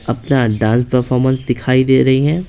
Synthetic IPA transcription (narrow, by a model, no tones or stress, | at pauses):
ɐpnaɖãːnspɐɾfɔːɾmə̃nsd̪ɪkʰaːid̪eːɾɐɦiɦɛ̃ː